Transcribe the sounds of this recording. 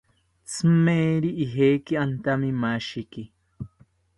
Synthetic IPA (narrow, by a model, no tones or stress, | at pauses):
t͡sʰmeːɾiʔːɦeːkiant̪amimaʃiki